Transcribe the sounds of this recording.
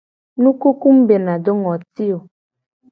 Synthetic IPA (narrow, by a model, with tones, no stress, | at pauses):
nũ˦ku˦ku˦m˦be˨nã˨do˦ŋɔ˨ti˦o˨